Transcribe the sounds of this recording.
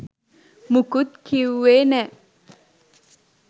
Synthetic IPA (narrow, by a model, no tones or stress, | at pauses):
mukut̪̚kʰiwːenɛ